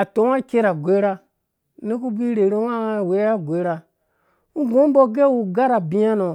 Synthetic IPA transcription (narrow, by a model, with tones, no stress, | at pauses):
a˨to˨˦wa˦kʲe˦ɾa˨ɡʷe˦ɾa˦ | ne˦k̬u˦bʷi˦ɾe˨ɾo˦a˦˨we˨˦a˦ɡʷe˦ɾa˦ | u˦ɡo˦bo˦ɡe˦wu˨ɡa˦ɾa˨bi˦a˦no˨